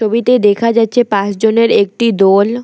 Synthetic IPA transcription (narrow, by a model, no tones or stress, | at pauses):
obit̪ed̪ekʰad͡ʑatːɕʰepãt͡ɕd͡ʑoneɾek̚ʈid̪ol